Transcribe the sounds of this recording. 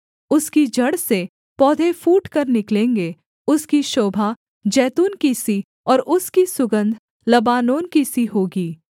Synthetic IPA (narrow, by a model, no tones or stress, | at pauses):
ʊskid͡ʒɐɽse | pɔːd̪ʱefuːʈkɐɾnɪklẽːŋɡe | ʊskiʃoːbʱa | d͡ʒɛːt̪uːnkisi | ɔːɾʔʊskisʊɡə̃nd̪ʱ | lɐbaːnoːnkisiɦoːɡiː